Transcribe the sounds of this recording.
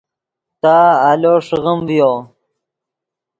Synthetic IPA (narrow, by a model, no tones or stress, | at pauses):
t̪aːaloːʂɣəmvjo